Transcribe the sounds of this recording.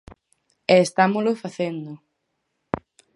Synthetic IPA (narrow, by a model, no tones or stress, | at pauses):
eːst̪amolofaθend̪ʊ